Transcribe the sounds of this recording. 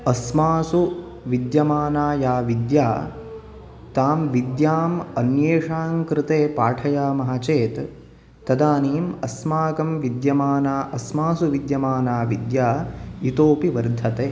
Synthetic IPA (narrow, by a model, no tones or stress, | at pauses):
ɐsmaːsu | ʋid̪jɐmaːnaːjaːʋid̪jaː | t̪aːmʋid̪jaːmɐnjeːʂaːŋkɾɪt̪eːpaːʈʰɐjaːmɐɦat͡ʃeːt̪ | t̪ːɐd̪aːniːmɐsmaːkɐmʋid̪jɐmaːnaːʔɐsmaːsuʋid̪jɐmaːnaːʋid̪jaːit̪oːpiʋɐɾd̪ʱɐt̪eː